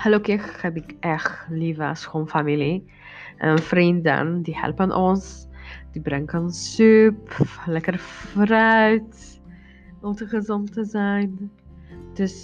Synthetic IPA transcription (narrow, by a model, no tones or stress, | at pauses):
həlokɪxɛbɪkʔɛxlivəsxonfamili | ʔənfrində̰ndihɛ̰lpənʔɔnsd̥ibrɛŋkɔnsːyplɛkərfrœɥt | ɔltəχəzɔntːəzɛjn | d̥øs